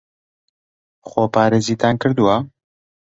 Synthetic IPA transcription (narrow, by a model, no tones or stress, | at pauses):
xoːpaːɾeːziːt̪aːnkɨɾd̪uwa